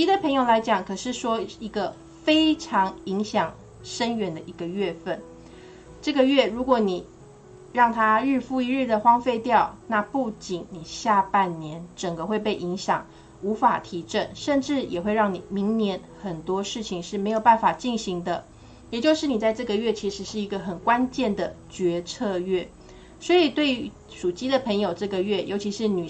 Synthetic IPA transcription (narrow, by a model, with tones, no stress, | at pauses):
t͡ɕi˧˥d̪ə˨pʰə˧˥ŋjo˨˩ʊla˧˥ɪt͡ɕjɑ˨˩˦ŋkʰɤ˨˩ʂɻ̩˥˩ʂwɔ˥i˧˥ɡə˧ | fe˥ɪʈ͡ʂʰɑ˧˥ŋi˧˥ŋɕjɑ˨˩ŋ | ʂə˦nɥɛ˧˥nd̪ə˧˨ʔi˧˥ɡə˧ɥɛ˥˧fə˥˨˩n | ʈ͡ʂɤ˥˩ɡə˨ɥɛ˥˩ɻu˧˥kwɔ˧˥˦ni˨˩ | ɻɑ˥˩ŋt̪ʰa˥˦ɻɻ̩˥˧fu˥˧i˧˥ɻɻ̩˥˩d̪ə˨˩xwɑ˥ŋfe˥˧ɪt̪jɑ˥˨˩ʊna˥˧pu˥˩t͡ɕi˨˩˦nni˨˩ɕja˥˧pa˥˩˨nnjɛ˧˦nʈ͡ʂə˨˩ŋɡə˦xwe˥˧ɪpe˥˩ɪʔi˧˥ŋɕjɑ̰˨˩ŋ | u˧˥fa˨˩t̪ʰi˧˥ʈ͡ʂə˥˩nʂə˥˧nʈ͡ʂɻ̩˥˩jʔɛ̰˨˩xwe˥˧ɪɻɑ˥˩ŋni˨˩mi˧˥ŋnjɛ˧˥n | xə˨˩nt̪wɔ˥ʂɻ̩˥˩t͡ɕʰi˨˩ŋʂɻ̩˥˩me˧˥ɪjo˨˩ʊpa˥˩nfa˨˩t͡ɕi˥˩nɕi˧˥ŋd̪ə˧ | jɛ˨˩t͡ɕjo˥˧ʊʂɻ̩˥˩ni˨˩t͡sa˥˧ɪʈ͡ʂɤ˥˩ɡə˨ɥɛ˥˩t͡ɕʰi˧˥ʂɻ̩˧˥ʂɻ̩˥˩i˧˥ɡə˧xə˨˩nkwa˦nt͡ɕjɛ˥˩nd̪ə˩t͡ɕɥɛ˧˥t͡sʰɤ˥˧ɥɛ˥˩ | swɔ˧˥i˨˩t̪we˥˩ɪy˧˦˥ | ʂu˨˩t͡ɕi˥d̪ə˨pʰə˧˥ŋjo˨˩ʊʈ͡ʂɤ˥˩ɡə˨ɥɛ˥˩jʔo˧˥ʊt͡ɕʰi˧˥ʂɻ̩˥˧ny˨˩